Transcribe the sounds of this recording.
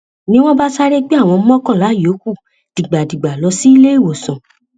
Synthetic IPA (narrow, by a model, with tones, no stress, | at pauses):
nĩ˦w̃ɔ̃˦ba˦sa˦ɾe˦ɡ͡be˦a˦˨w̃ɔ̃˧˦mɔ̃˦kɔ̃˦˨la˨˦˨jo˨˦ku˦˨ | d̥i˨ɡ͡ba˨di˨ɡ͡ba˨lɔ˧si˦i˦le˦i˦˨wo˨sã˨